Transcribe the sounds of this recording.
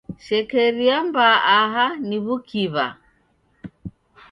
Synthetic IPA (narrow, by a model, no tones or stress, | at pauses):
ʃɛkɛɾiambaʔaɦaniβukʰiβa̰